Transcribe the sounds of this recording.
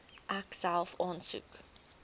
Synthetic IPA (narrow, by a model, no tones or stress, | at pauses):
ʔaksalˠfɑ̃ːnsṵk